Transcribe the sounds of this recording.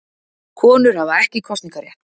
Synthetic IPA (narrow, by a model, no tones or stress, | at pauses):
kʰɔːnʏɾ̥havaɛhcɪkʰɔst̪nĩŋkaɾjɛht̪n